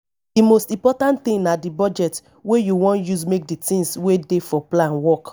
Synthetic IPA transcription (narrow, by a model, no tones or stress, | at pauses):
dimostĩmpɔtãntt̪ĩŋnadibɔd͡ʒɛt | wejuwɔ̃njusmek̚ditĩnswedefɔplãnwɔk